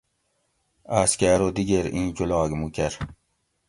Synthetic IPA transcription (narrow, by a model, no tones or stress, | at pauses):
aːskʲaɾod̪iɡeɾĩːd͡ʑolɑːɡmukʲɐɾ